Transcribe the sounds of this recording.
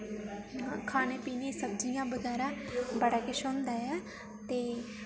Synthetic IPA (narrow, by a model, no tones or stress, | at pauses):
kʰaːneːpiːneːsəbd͡ʒijãːbəɡɛːɾãːbəɽaːkɪʃõːnd̪aːɛː | t̪eː